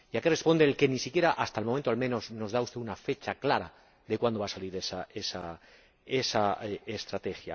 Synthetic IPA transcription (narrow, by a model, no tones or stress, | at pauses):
iakere̞spo̞nd̪eːlke̞nisikje̞ɾaʔast̪aelmoẽnt̪oalmẽ̞no̞zno̞zðaust̪e̞unafe̞t͡ʃaklaɾa̰ | ðe̞kwand̪oasaliɾe̞sae̞sa | e̞saest̪ɾat̪e̞xja̰